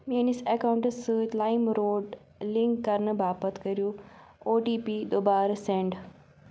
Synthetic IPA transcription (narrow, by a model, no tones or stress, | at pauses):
menisekaʊ̃ɳʈslaːɪmɾoːɖ | lɪ̃ŋkːɐɾnbʱaːpət̪ʰkɐɾijũ | oːʈiːpid̪oːbaːɾsẽːɳɖ